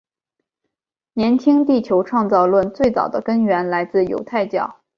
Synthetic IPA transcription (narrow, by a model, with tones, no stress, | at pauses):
njɛ˧˥nt͡ɕʰi˥ŋt̪i˥˩t͡ɕʰjo˧˥ʊʈ͡ʂʰwɑ˥˧ŋt͡sɑ˥˧ʊlwə˥˧nt͡swe˥˩ɪt͡sɑ˨˩ʊd̪ə˦kə˥nɥɛ˧˥nla˧˥ɪt͡sɹ̩˥˩jo̰˧˥ʊt̪ʰa˥˧ɪt͡ɕjɑ˥˩ʊ